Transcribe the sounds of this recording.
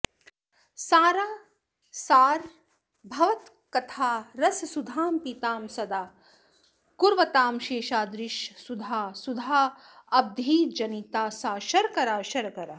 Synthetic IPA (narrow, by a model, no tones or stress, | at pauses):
saːɾaː | saːɾ | bʱɐʋɐt̪ | kɐt̪ʰaːɾɐsɐsud̪ʱaːmpit̪aːmsɐd̪aː | kuɾʋɐt̪aːmʃeːʃaːd̪ɾɪʃsud̪ʱaːsud̪ʱaː | ɐb̚d̪ʱiːd͡ʒɐnit̪aːsaːʃɐɾkɐɾaːʃɐɾkɐɾaː